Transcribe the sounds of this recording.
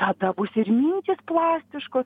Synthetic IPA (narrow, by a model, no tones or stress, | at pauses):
t̪ɐd̪ɐbʊsɪrʲmʲiːnʲt̪ʲɪsplˠɑːsʲt̪ʲɪʃkoːs